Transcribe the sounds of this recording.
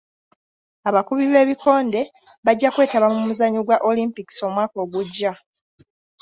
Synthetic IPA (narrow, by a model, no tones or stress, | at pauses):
aβakuβiβe̞ːβikʰo̞ːnde̞ | βaɟːakwe̞ːtaβamuumuzaɲuɡwaʔolimpiki̥so̞mwaːko̞ːɡuɟːa